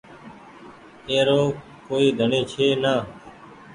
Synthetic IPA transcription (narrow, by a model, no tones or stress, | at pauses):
eːɾoː | koːiːd̪ʱəɳeːt͡ʃʰeːnaː